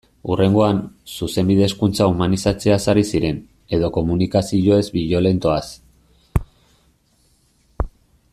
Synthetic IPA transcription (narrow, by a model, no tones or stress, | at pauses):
ure̞ŋɡo̞ansuse̞mbiðe̞skunt͡saumanisat͡se̞asaɾisiɾe̞n | e̞ð̞o̞ko̞munikasiʝoe̞zbiʎo̞le̞nt̪o̞as